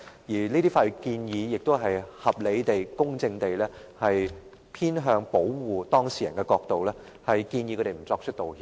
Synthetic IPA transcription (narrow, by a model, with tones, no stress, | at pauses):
jiː˨˩liː˥t̪iː˥faː˧ɥy˨˧kiː˧njiː˨˧jɪ˨k̚t̪o˥wɦɐ˨jhɐ˨p̚le˨˧jt̪e˨jkʊ˥ŋt͡sɪ˧ŋt̪e˨jlɛː˥hɐ˨j | pʰiː˥nɦœː˧ŋpo˨˥wwuː˨˩t̪ɔː˥ŋsiː˨˩jɐ̰˨˩nkɛ˧kɔː˧k̚t̪o˨wlɛː˥ | hɐ˨jkiː˧njiː˧kʰɵ˨˧˥te˨jm̩˨˩t͡sɔː˧k̚t͡ʃʰɵ˥t̚t̪o˨whiː˧